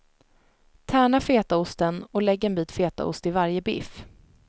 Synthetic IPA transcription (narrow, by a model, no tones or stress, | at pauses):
t̪ʰæːɳafeːt̪aʊst̪ənɔlɛɡːɛnbiːt̪feːt̪a̰ʊ̰st̪ɪvaɾjəbɪ̰f